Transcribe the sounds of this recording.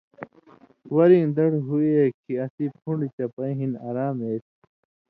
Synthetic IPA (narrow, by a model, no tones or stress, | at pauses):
wɐɾĩd̪ɐɽɦuiekʰiɐsipʰũɳɖit͡ɕɐpɐĩɦinaːɾaːmeːt̪